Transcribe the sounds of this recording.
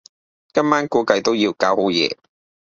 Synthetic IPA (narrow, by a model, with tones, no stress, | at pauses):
kɐ˥maː˥nkuː˨˥kɐ˨˧jt̪o˥wjiː˧wkaː˨˥who˨˥wjɛ̰ː˧